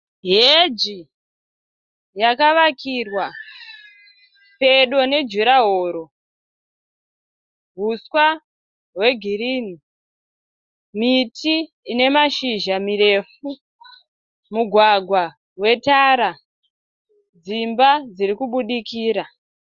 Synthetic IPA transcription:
ɦed͡ʒi | jakaʋakirwa | pe̞ɗo̞ne̞d͡ʒuɾaɦoːɾo̞ | ɦuswa | ɦwe̞ɡʱiɾiːni | mitʰiː | ne̞maʃiʒamire̞fu | muɡʱwaɡʱwa | ɦwe̞taɾa | d͡zimbad͡ziɾikuɓuɗikiːɾa

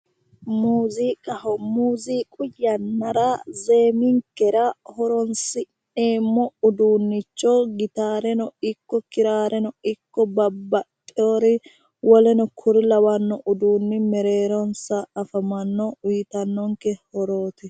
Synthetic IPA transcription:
muːziːkʼɐhɔmuːziːkʼʊjːɐnːɐɾazeːmɪŋkːɛɾɐhɔɾɔnsɪ | neːmːɔʊd̪uːnːɪt͡ʃːɔɡɪt̪aːɾɛnɔɪkːɔkɪɾaːɾɛnɔɪkːɔbɐbːɐtʼːɪoːɾɪ | wɔlɛnɔkʰʊɾɪlɐwɐnːɔʔʊd̪uːnːɪmɛɾe̞ːɾɔnsɐːfɐmɐnːɔwiːt̪ɐnːɔŋkɛhɔɾoːt̪ɛ

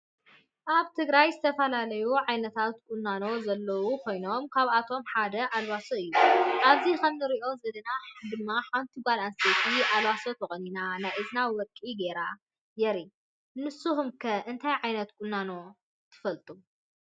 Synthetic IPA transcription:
ʔaβt̪ʰɨɡɾajzɨt̪ʰɐfɐlalɐjuʕajnɐt̪ʰat̪̚kʼunːano̞zɐlːɐwukʰo̞jno̞mkʰaβat̪ʰo̞mħad̪ɐʔalwasuɨjːuʔaβzikʰɐmnɨɾiʔo̞zɐd̪ɐnad̪ɨmːaħant̪ʰiɡʷalanset̪ʰiʔalwasot̪ʰɐkʼɐninanajʔɨznawɔkʼiɡeɾa | jɛɾi | nɨsuɦumkʰɐʔɨnt̪ʰajʕajnɐt̪̚kʼunːano̞ | t̪ʰɨ̥fɐlt̪ʼu

